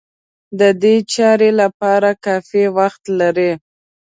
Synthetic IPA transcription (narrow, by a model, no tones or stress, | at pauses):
d̪əd̪et͡ʃɑɾelapɑɾakɑfewaxt̪laɾe